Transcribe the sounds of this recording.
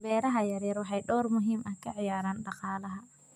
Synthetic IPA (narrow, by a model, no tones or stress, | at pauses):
bɛːɾɐɦɐjɐɾjɛɾwɑħɑjɖɔːrmʊɦiːmʔɐhkʰɐʕɪjaːɾaːnɖɑqɑːlɐɦɐ